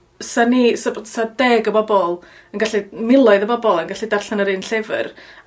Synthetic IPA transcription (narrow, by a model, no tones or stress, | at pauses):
sanisabsadɛɡəbɔbɔlˠ | ənɡaɬimɪlˠɔɨðəbɔbɔlˠənɡaɬidarɬanəɾɨnɬevə̰r